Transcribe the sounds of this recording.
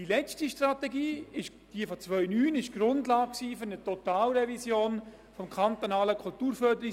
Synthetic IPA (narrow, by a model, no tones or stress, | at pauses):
dilɛt͡stiʃtratɛɡiːɪʃ | d̥iəfɔt͡svʋœʏnyːnɪʃɡ̥rʊndlaːk̚ksiːfɵɾnətot̪aːlɾɛvisjoːn | fɔmkʰɑnt̪onɑːləkʰultuːɾfœɾdəɾɪ